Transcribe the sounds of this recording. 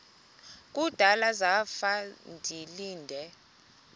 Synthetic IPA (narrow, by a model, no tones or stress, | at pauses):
k̬ʼud̥ʱalazafandʱiliːndʱɛ